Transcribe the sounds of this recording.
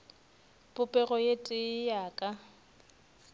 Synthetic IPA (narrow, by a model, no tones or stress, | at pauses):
pʼʊpʼɛɣɔjetʼɪjaːkʼa